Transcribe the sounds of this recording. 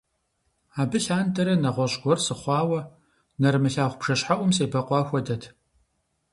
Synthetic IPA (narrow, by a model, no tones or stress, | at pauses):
aːbɨɬaːndɐɾɐnɐʁʷɔɕʼɡʷɔrsɨχʷɑːwɐ | nɐrmɨɬaːχʷʊpʂɐɕħaʔʷʊmseːbɐqʷɑːxʷɔdɐtʰ